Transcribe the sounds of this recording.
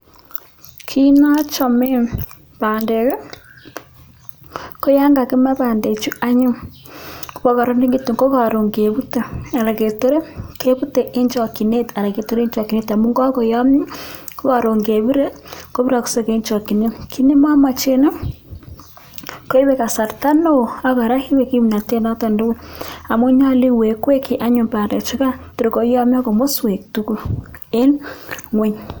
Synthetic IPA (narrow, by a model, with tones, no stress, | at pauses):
kʰi˦na˦t͡ʃɔ˨me˦ | βaː˨nde˨ɾe˦ | ko˦jaː˦ŋɡa˨ke˦ma˦βaː˨nde˨t͡ʃu˦a˦ɲu˦ | ku˦βɔ˦ka˨ɾo˦ni˦ŋɡi˦tu˨ŋɡo˦ɣa˨ɾo˨ŋɡe˨βu˦te˦˨a˨ɾa˨ɣe˨to˦ɾe˦ke˦βu˦te˨ʔe˦ɲd͡ʒɔ˨ki˨ne˦ta˨ɾa˨ke˨to˦ɾe˦ɲd͡ʒa˨ki˨ne˦ta˨mu˦ŋɡɔ˦ko˨ja˦mu˦ko˦ka˨ɾo˨ŋɡe˨βi˦ɾe˦ko˦bi˦ɾa˨ku̥˨se˦ke˨˦ɲt͡ʃɔ˨ki˨ne˦kʰi˦ne˦ma˦ma˨t͡ʃe˦ne˦ | ko˦i˦we˦ka˨sa˨rta˦no˦a˦ka˨ɾa˦hi˦we˨ki˦mna˨te˦na˦ta˨ndo˦wʊ˦a˨mʊ˦ɲa˦li˦we˨kwe˦kʰi˦ʔa˦ɲʊ˨mpa˨de˨t͡ʃɪ˦ka˦tʊ˨ɾko˨˦jɔ˦m˦a˦ko˨mo˦swe˨k̚tu˦ku˦e˦nŋwe˦ɲ